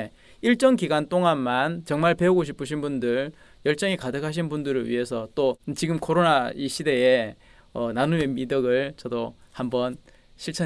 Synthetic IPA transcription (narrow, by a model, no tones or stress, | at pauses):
iɭt͡ɕ͈ʌŋkiɡant͈oŋanmant͡ɕʌŋmaɭpe̞uɡoɕ̬ʰi̥pʰɯɕ̬ʰinbundɯɭ | jʌɭt͡ɕ͈ʌŋikadɯkʰaɕ̬ʰinbundɯɾɯɭɥḭɦe̞sʰʌt͈ot͡ɕiɡɯmkʰoɾonaiɕʰide̞e | ʌnanuemidʌɡɯɭt͡ɕʌdohambʌn | ɕʰiɭt͡ɕʰʌ